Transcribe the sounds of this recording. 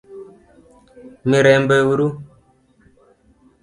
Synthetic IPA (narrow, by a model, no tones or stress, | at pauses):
miɾɛmbəwuɾu